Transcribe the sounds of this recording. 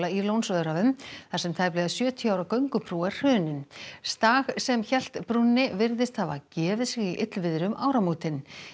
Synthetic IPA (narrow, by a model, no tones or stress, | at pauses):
lailownsvœðʏɾavʏmθḁsɛmt̪ʰaːjplɛɣasjœːt̪ʰjiaːwɾakœɥŋkʏpʰɾuːɛr̥r̥œːnɪnst̪aːɣsɛmçɛl̥t̪pɾunːɪvɪɾðɪst̪havacɛːvɪðsɛɣiʔɪt̪lvɪðɾʏmʔaːwɾamuːt̪ɪn